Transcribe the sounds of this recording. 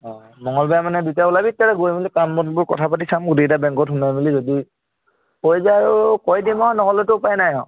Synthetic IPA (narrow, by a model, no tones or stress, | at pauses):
ɔ | mɔŋɔlbajamanɛdutaulabitːaɹɛɡojmilikambɔnbʊɹkɔ̰tʰapat̬isamɡutejtabɛŋkɔtɦʊnajmilizodi | kojzaaɹukɔjdimɔnɔɦɔlɔtʊʊpajnajɔ̃